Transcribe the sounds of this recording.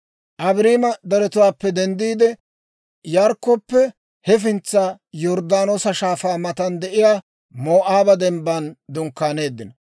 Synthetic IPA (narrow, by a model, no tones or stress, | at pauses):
ʔɐbɾiːmɐd̪ɐɾɛt̪ʊwaːpːɛd̪ɛnd̪iːd̪ɛ | jaːɾkːopːɛ | hɛf̬ɪnt͡sːa | jɔɾd̪aːnoːsɐʃaːfaːmɐt̪ɐnd̪ɛʔɪjaː | moːʔaːbɐd̪ɛmbɐnd̪ʊŋkːaːne̞ːd̪ːɪnɐ